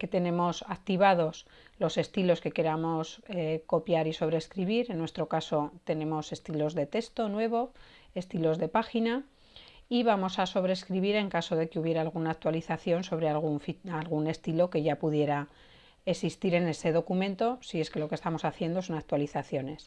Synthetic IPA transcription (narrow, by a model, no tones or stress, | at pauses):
ke̞t̪e̞nẽ̞mo̞sak̚t̪iβ̞að̞o̞s | lo̞se̞st̪ilo̞ske̞ke̞ɾamo̞sko̞pjaɾiso̞β̞ɾeskɾiβiɾenːwe̞st̪ɾo̞kaso̞t̪e̞nẽ̞mo̞se̞st̪ilo̞zðe̞t̪e̞st̪o̞nwe̞β̞o̞ | e̞st̪ilo̞zðe̞paxina | iβamo̞saso̞β̞ɾe̞ːskɾiβiɾe̞ŋkaso̞ðe̞keuβje̞ɾaːlɣ̞unaːk̚t̪waliθaθjo̞nso̞β̞ɾealɣuɱfialɣ̞une̞st̪ilo̞ke̞ʝapuðje̞ɾa | esist̪iɾe̞ne̞se̞ð̞o̞kumẽnt̪o̞sie̞ske̞lo̞ke̞st̪amo̞saθjend̪o̞so̞nak̚t̪waliθaθjo̞ne̞s